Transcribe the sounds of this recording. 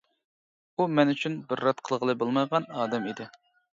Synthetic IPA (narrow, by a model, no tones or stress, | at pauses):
umɛnyt͡ʃʰynbɪɾːɑt̪̚qʰəlˠʁəlˠɨbolˠmɑjʁɑnɑːd̪ɛmid̪ɪ